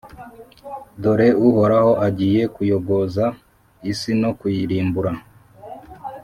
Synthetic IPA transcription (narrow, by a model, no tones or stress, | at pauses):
do̞ɾe̞uho̞ɾaho̞ʔaɟiːje̞kujo̞ɡo̞za | isino̞kujiɾiːmbuɾa